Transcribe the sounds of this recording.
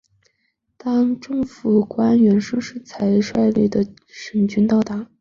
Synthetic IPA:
t̪ɑ˥ŋʈ͡ʂɤ˥˩ŋfu˨˩kwa˥nɥɛ˧˥nʂɤ˥ŋʂɻ̩˥˩t͡sʰa˧˥ɪʂwa˥˧ɪli˥˩d̪ə˩ | ʂə˨˩nt͡ɕy˥nt̪ɑ˥˩ʊt̪a˧˥

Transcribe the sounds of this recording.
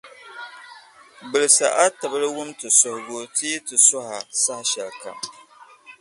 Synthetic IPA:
bɨ˨lɨ˨sa̰˨ʔa˦tɨ˨bɨ˦lɨ˦wʊ˦mtɨ˨sʊ˨hʊ˨bo˦ti˦tɨ˨sɔ˦ha˨sa˦hʃɛ˨lka̰˨m

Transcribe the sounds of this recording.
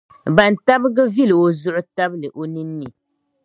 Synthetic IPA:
ba˨n˨ta˦bɨ˦ɡɨ˦vi˦lɨ˨o˨zʊ˦ʔʊ˦ta˦blɨ˨ʔo˨˦nɨ˦nːɨ˨

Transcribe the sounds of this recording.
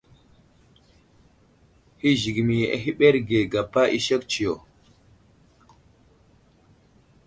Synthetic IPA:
hi˦ʒi˨ɡi˨mi˨jʔḛ˨ɦi˦ɓe˦ɾɡe˨ɡa˨pːa˦ʔi˦ʃe˦kt͡ʃi˨jo˨

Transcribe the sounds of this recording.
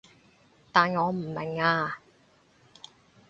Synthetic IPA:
t̪aː˨nŋɔː˨˧m̩˨˩mɛ˨˩ŋaː˧

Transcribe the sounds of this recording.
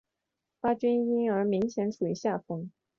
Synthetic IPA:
pa˥t͡ɕi˥ni˥nə˞˧˥mi˧˥ŋɕjɛ˧˥nʂu˨˩˥ɕja˥˩fɤ˥ŋ

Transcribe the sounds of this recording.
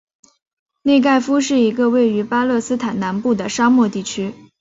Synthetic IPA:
ne˥˧ɪk̬a˥˩ɪfu˥ʂɻ̩˥˩i˧˥ɡə˧we˥˩ɪy˧˥pa˥lɤ˥˩˧sɹ̩˥t̪ʰa˨˩na˧˥npu˥˩d̪ə˩ʂa˥mwɔ˥˧t̪i˥˩t͡ɕʰy˥

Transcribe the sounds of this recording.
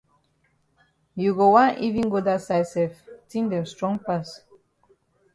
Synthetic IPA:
ju˨ɡo˨wã˦ni˦vĩ˦ŋɡo˦da˦sajsɛftĩ˦ndɛ̃˨mstɹɔ̃˦ŋpas

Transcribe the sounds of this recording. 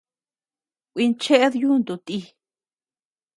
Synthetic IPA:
kʷi˧nt͡ʃe˦ʔe˦ðju˦˧nd̪u˧t̪i˧

